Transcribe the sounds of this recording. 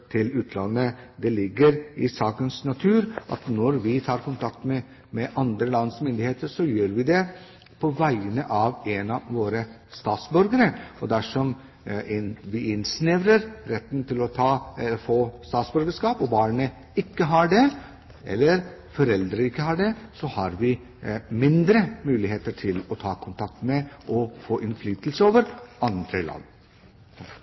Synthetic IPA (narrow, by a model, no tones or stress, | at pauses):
t̪ʰɪlʉːt̪ʰlɑnːəd̪ɛlɪɡːəɾɪsɑːkənsnɑt̪ʰʉːɾʔɑ̰t̪nɔɾʋɪt̪ʰɑːɾkʊnt̪ʰɑk̚t̪mɛ | mɛʔɑnd̪ɾəlɑnsmʏnd̪ɪheːt̪əɾʂɔjøːɾʋɪd̪ɛ | pʰɔʋæɪənəʔɑʋenɑʋoːɾə | st̪ɑːt̪sbœɾɡəɾəɔd̪æʂɔm | ʋɪɪnsnɪʋɾəɾɾɛt̪ːnt̪ʰɪlɔt̪ʰɑːfoːst̪ɑːt̪sbœɾɡəʂkɑːpɔbɑːɳə | ɪkːəɦɑɖɛ | ɛ̰lːəɾfɔɾɛld̪ɾəɪkːəhɑɖɛsɔhɑɾʋɪ | mɪnd̪ɾəmʉːlɪɦeːt̪əʈʰɪlɔt̪ʰɑːkʰʊnt̪ʰɑk̚t̪mɛʔɔfoːʔɪnflyːt̪lsəoːʋəɾɑnd̪ɾəlɑ̰n